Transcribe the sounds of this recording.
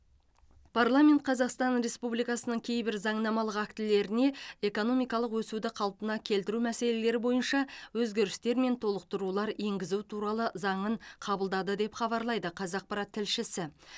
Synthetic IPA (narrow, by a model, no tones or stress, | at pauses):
pʰarlˠame̞nt̪̚qʰɑzɑqst̪ɑnɾe̞spublijkɑsənəɴkʲʰe̞jbɪɾzɑɴnɑmɑlˠəqækt̪ɪle̞ɾɪne̞e̞ko̞no̞mijkɑlˠəqwɵsud̪ɪqʰɑlˠpənɑkʲʰe̞lt̪ɪɾumæse̞le̞le̞ɾɪbo̞jənʃɑwɵzɡʲe̞ɾɪst̪e̞ɾme̞nt̪ʰo̞lˠəq̚t̪əɾulˠɑɾe̞ŋɡʲɪzut̪ʰuɾɑlˠəzɑɴəɴqʰɑbəlˠd̪ɑd̪əd̪e̞pχɑbɑɾlˠɑjd̪əqʰɑzɑq̚pɑɾat̪ʰːɪlʃɪsɪ